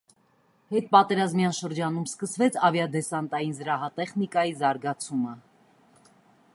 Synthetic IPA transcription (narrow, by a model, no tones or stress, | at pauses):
hɛt̪̚pɑt̪ɛɾɑzmjɑnʃəɾd͡ʒɑn̪umskəsvɛt͡sʰɑvjɑd̪ɛsɑnt̪ɑjinzəɾɑɦɑt̪ɛχnikɑjizɑɾɡɑt͡sʰumə